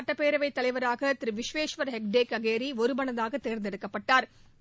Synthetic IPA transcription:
ʈːɐpeːɾɐʋɐɪt̪ːɐlɐɪʋɐɾaːɣɐt̪ɪɾɯʋɪʂʋeːʂʋɐɾɦɛk̚ɖeːkɐɣeːɾiɔɾɯmɐnɐðaːɣɐt̪ːeːɾnd̪ɛɽɯkːɐpːɐʈːaːɾ

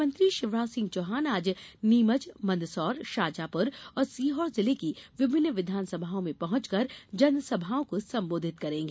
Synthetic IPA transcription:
mə̃nt̪ɾiʃɪʋɾaːsɪ̃ŋɡ̚t͡ʃoːɦaːnaːd͡ʒniːmət͡ʃmɐ̃nd̪sɔːɾʃaːd͡ʒapʊɾɔːɾsiːɦɔːɾzɪlekiʋɪbʱɪnːʋɪd̪ʱaːnsɐbʱaõmẽpɐɦʊ̃ɲt͡ʃkɐɾd͡ʒɐnsɐbʱaõkosɐ̃mboːd̪ʱɪt̪kɐɾẽːŋɡeː

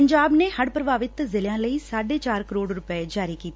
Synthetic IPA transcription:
ɲd͡ʒaːbneːhəɽpɾəbʱaːʋɪt̪zɪljãːləiːsaːɖeːt͡ʃaːɾkəɾoːɖɾʊpɛd͡ʒaːɾiːkiːt̪ː

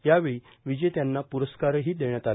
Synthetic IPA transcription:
jaʋeɭi | ʋid͡ʑet̪janːapuɾəskaɾɦiːd̪eɳ̃jat̪al

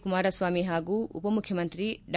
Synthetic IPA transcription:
kumaːɾasʋwaːmiːɦaːɡuʔṵpɐmukʰjɐmɐnt̪ɾiɖ

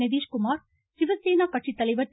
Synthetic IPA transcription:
ɐʋiːʂkʊmaːɾ | sɪʋɐseːnaːkɐʈʂit̪ːɐlɐɪʋɐ

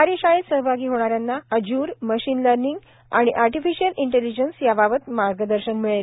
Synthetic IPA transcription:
aɾiɕajəsəɦəbʱaɡiːɦoɽ̃aɾjanːaəd͡ʑuːɾməɕiːnləɾniŋɡ | a̰ɽ̃iʔaɾʈifiɕəliɳʈelid͡ʑənsjabaʋət̪maɾɡəd̪əɾɕənmiɭel

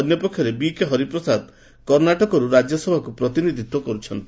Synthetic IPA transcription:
njɔpɔkʰːjɔɾebikeɦɔɾipɾɔsad̪ | kɔɾnaʈɔkɔɾuɾad͡ʒjɔsɔbʱakupɾɔt̪inid̪ʱit̪wɔkɔɾut͡ʃʰɔnt̪i

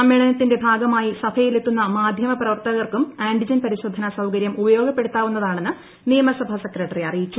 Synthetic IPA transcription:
ɐmjiɭɐnɐt̪ːinde̞bʱaːɡɐmaːjisɐbʰɐjilet̪ːunːɐmaːd̪ʱjɐmɐprɐʋɐrt̪ɐɣɐrkumaːɳɖid͡ʑɐnpɐɾiɕo̞ːd̪ʱːɐnɐsɐwkɐɾjɐmubɐjo̞ːɡɐpːe̞ɽut̪ːaːʋunːɐðaːɳe̞nːɨ | nijɐmɐsɐbʱɐsekrɐʈːɐriɐrijit͡ɕːu

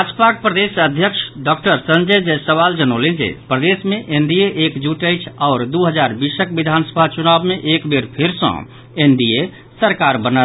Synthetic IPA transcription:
bad͡ʒpak̚pɾəd̪esəd̪ʱjəkʃʰɖɔk̚ʈəɾsənd͡ʒəjd͡ʒesəβald͡ʒənolẽnd͡ʒḛpɾəd̪esmeʔend̪ijeʔekd͡ʒuʈəjt͡ʃʰaʊɾd̪uɦəd͡ʒaɾbisəkbid̪ʱansə̥bʱat͡ʃunabmeʔekbeɾpʰiɾsə̰̃ | end̪ije | səɾkaɾbənət̪

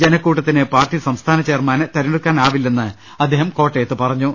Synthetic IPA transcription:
d͡ʑenɐkːuːʈːɐt̪ːinɨpaːrʈisɐmst̪ʰaːnɐt͡ɕeːrmaːnɨt̪ɐɾineɽukːaːnaːʋilːenːɨ | ɐd̪ʱːeːɦɐmko̞ːʈːejɐt̪ːɨpɐrɐɲːu

